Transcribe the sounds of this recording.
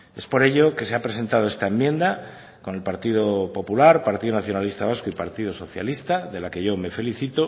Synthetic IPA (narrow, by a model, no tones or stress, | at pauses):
e̞spo̞ɾe̞ʎoke̞seapɾe̞se̞nt̪aðo̞est̪aemjẽ̞nd̪a | ko̞ne̞lpaɾt̪iðopo̞pulaɾpaɾt̪iðonaθjo̞nalist̪aβ̞askoipaɾt̪iðoso̞θja̰list̪aðe̞lake̞ʝo̞me̞fe̞liθit̪o